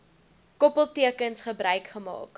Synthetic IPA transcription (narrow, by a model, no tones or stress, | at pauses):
kɔpəlˠtiəkənsχəbrœɥkχəmɑ̰ːk